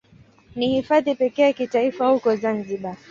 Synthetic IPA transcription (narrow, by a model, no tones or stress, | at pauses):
nihifaðipɛkɛakitaifahukɔzanziɓa